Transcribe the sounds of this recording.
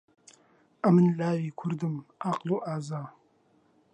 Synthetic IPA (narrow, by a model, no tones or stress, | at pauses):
amɨnlaːwiːkʷʰʊrdɨmaːqloːʔaːzaː